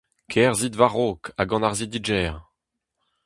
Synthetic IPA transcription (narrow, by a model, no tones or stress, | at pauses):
kʰɛːʁzid̪vaʁokaɡɑ̃naʁzid̪id͡ʒɛːʁ